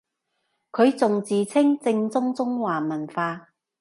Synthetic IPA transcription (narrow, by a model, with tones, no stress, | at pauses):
kʰɵ˨˧ɥt͡sʊ˨ŋt͡siː˨t͡sʰɪ˥ŋt͡sɪ˧ŋt͡sʊ˥ŋt͡sʊ˥ŋwaː˨˩mɐ˨˩nfaː˧